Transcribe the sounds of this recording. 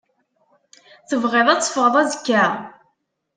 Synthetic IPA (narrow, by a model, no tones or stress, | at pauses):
θəvʁeðˤæt͡sːfəʁðˤæzəkːæ